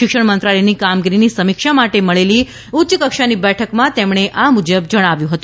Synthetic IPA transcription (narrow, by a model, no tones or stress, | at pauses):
ɪkʂəɳ̃mənt̪ɾaləjnikamɡiɾinisəmikʃamaʈeməɭeli | utːʃəkəkʃanibɛʈʰəkmãt̪emɽ̃eʔamud͡ʒəbd͡ʒəɽ̃aʋjũɦət̪ũ